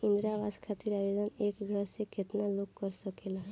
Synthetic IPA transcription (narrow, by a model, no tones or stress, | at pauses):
ĩnd̪ɾaʋaskʰat̪iɾabed̪ənekɡʱəɾseket̪nalokkəɾsəkelaɦ